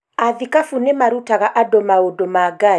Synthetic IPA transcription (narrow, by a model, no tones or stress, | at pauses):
aðikafunɛmaɾutaɣaʔadɔmaodɔmaɡa